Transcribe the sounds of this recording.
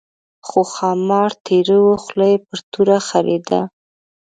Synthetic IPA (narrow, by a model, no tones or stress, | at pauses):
xoxɑmɑɾt̪ʰeɾəwoxlajpəɾt̪uɾaxaɾed̪a̰